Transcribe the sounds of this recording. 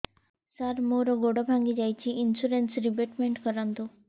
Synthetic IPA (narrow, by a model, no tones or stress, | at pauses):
saɾmoɾoɡoɽobʱaŋɡid͡ʑajt͡ɕʰiʔinsuɾensɾibeʈmeɳʈkɔɾant̪u